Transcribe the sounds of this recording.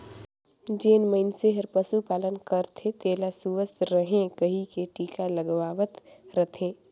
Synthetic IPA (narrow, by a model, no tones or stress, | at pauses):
d͡ʒeːnməɪnseɦəɾpəsupaːlənkəɾt̪ʰet̪eːlasuʋəst̪ɾəɦẽkəɦikeʈiːkaləɡʋaːʋət̪ɾət̪ʰẽː